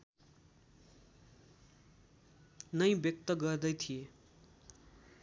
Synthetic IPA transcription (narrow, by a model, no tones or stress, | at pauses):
nʌjbjʌk̚t̪ʌɡʌrd̪ʌjt̪ʰije